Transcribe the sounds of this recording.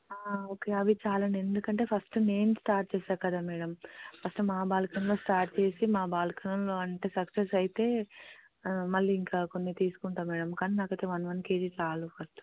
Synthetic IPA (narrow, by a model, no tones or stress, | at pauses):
aːoːkeɐʋit͡ʃaːlɐne̞nd̪ukɐɳʈeːpʰɐsʈne̞ːmsʈaːɾʈ̚t͡ʃeːsaːɾkɐd̪aːmɛːɽɐmpʰɐsʈumaːbaːlkɐnɐmlo̞ːsʈaːɾʈt͡ʃe̞ːsimaːbaːlkʰɐnɐmlo̞ːɐɳʈe̞ːsɐksesɐjit̪e̞ː | mɐɭːiiŋkaːkonːit̪iːsu̥kuɳʈaːmɛːɽɐmkaːninaːkɐjt̪eʋɐnʋɐnkeːɽit͡ʃaːlupʰɐsʈ